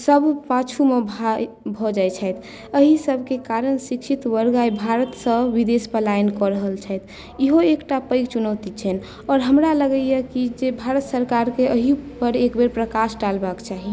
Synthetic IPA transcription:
səbʱpat͡ʃʰumebʱa | bʱɔd͡ʒajt͡ʃʰəjt̪ʰ | əɦisəbʱkekaɾənsikʃʰit̪ʋəɾɡajbʱaɾət̪sə̃ʋid̪espəlainkɔɾəɦəlt͡ʃʰəjt̪ʰ | iɦoekʈapəɪɡt͡ʃunət̪it͡ʃʰɛn | ɔːɾɦəmɾaləɡəjəkid͡ʒebʱaɾət̪səɾkaɾkeʔəɦipəɾekbeɾpɾəkasʈalbakt͡ʃaɦi

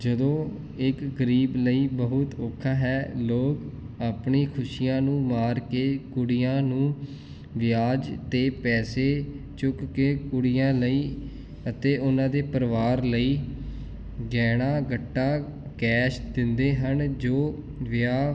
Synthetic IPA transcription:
d͡ʒəd̪õː | ɪkɡəɾiːbləiːbəɦʊt̪oːkʰːaːɦɛːloːk | aːpɳiːkʰʊʃijãːnũːmaːɾkeːkʊɽɪjãːnũː | ʋɪjaːd͡ʒt̪eːpɛːseː | t͡ʃʊkːeːkʊɽɪjãːləiː | ət̪eːʊnãːd̪eːpəɾʋaːɾləiː | ɡɛːɽ̃aːɡəʈːaː | kɛːʃd̪ɪ̃nd̪eːɦənd͡ʒoː | ʋɪjaː

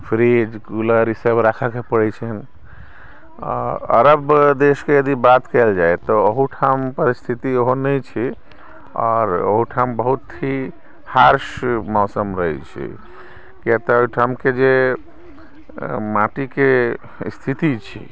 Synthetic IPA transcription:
pʰɾid͡ʒkuləɾisəbɾakʰakepəɽɛt͡ʃʰən | ə̰ɾəbd̪eskejəd̪ibat̪kəld͡ʒaet̪ɔəɦuʈʰampəɾist̪ʰit̪ioɦonəjt͡ʃʰi | ɔːɾo̰ɦuʈʰambəɦut̪ɦi | haɾsmɔsəmɾəɦɛt͡ʃʰḭ | kiat̪aoiʈʰamked͡ʒe | mãʈike | st̪ʰit̪it͡ʃʰḭ

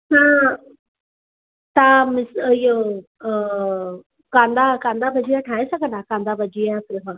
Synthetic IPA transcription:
sãː | t̪ãmɪsijo | kãːnd̪akãːnd̪abʱɐd͡ʑijãʈʰãːɦẽsɐɡʱə̃nd̪akãːnd̪abʱɐd͡ʑijãtɪɦa

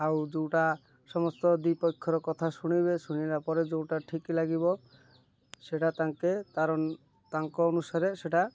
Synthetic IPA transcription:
awd͡ʒewʈa | sɔmɔst̪ɔd̪ipɔkʰːɔɾɔkɔt̪ʰasuɽ̃ibesuɽ̃ibapɔɾed͡ʒewʈaʈʰiklaɡibɔ | seʈat̪aŋket̪aɾɔn | t̪aŋkɔɔnusaɾeseʈa

